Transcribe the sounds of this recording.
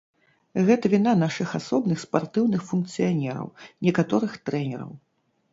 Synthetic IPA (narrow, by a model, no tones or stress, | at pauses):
ɣɛt̪ɐvʲinanaʂɨxasɔbnɨxspart̪ɨwnɨxfunkt̪sɨjanʲɛɾɐ̰wnʲɛkat̪ɔɾɨxt̪ɾɛnʲɛɾɐ̰w